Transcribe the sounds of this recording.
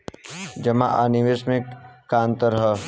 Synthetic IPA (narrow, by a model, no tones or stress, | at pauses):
d͡ʒɐma̰ʔaːniʋeːʃmẽkãːnt̪əɾɦə